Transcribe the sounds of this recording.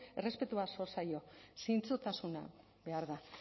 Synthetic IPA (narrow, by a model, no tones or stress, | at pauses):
e̞re̞spe̞t̪uaso̞ɾsajo̞sijnt͡sot̪asuna̰ | be̞aɾða